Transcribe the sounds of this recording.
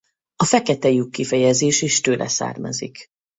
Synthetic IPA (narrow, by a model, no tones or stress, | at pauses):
ɒfɛkɛt̪ɛjykːifɛjɛzeːʃeːʃt̪øːlʔɛ̰sa̰ːrmɒ̰zḭk